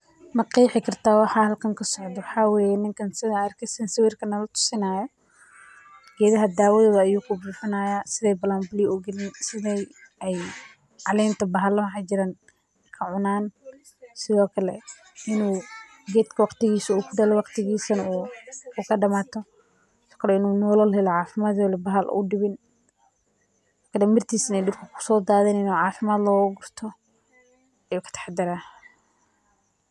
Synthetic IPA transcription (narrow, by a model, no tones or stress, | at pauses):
mɑqiːħɪkʰɐrt̪ʰaːwɑħaːhɐlkʰɐŋkʰɐsɔʕd̪ɐwɑħaːwɛːjɛnɪŋkʰɐnsɪðaːrkʰɛsɛnsɪwiːrkʰɐnɐlɐt̪ʰʊ̥sɪnaːjɐ | ɡ̥ɛːðɐɦɐd̪aːwɔːðɐðɐːjuːkʰʊbuːfɪnaːjaːsɪðɛjbɐlaːnmbliːuɡɪlɪnsɪðɛjɛj | ʕɑlɛːnt̪ʰɐbɐɦɐlɐwħaːd͡ʒɪɾaːn | kʰɐʕʊnaːn | sɪðɔːkʰɐlɛ̰ | ɪnuː | ɡɛːd̪kʰɐwɑqt̪ɪɣiːsɐuːkʰʊɖɐlɔwɑqt̪ɪɣiːsɐnɐuuːkʰɐɖɐmaːt̪ʰɔ | ɪɔ̥ːkʰɐlɛɪnuːnɔːlɐlhɛlɔʕaːfɪmaːd̪wɔlɛbɐɦɐlʔʊ̰ɖɪβɪn | kʰɐdɐmɪrt̪ʰiːsɪnɛjɖʊlkʰɐkʰʊ̥sɔːd̪aːðɛːnɪnuːʕaːfɪmaːd̪lɔːɣʊɡʊrt̪ʰɔ | ɛjuːkʰɐ̥t̪ʰɐ̥ħd̪ɪɾaː